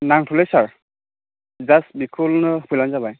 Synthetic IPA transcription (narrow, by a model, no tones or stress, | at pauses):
naŋtʰulɛsaɹ | zasbikʰulnɯpʰulanzabaj